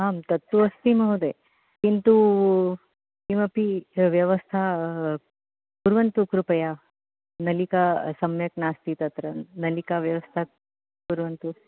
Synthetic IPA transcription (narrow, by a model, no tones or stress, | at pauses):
ɦaːmt̪ɐt̪ːuɐst̪imɐɦud̪e | kint̪u | kimɐpiʋjɐʋɐst̪ʰa | puɾʋɐnt̪ukɾupɐja | nɐlikasɐmjɐknaːst̪it̪ɐt̪ɾɐnɐlikaʋjɐʋɐst̪ʰa | puɾʋɐnt̪u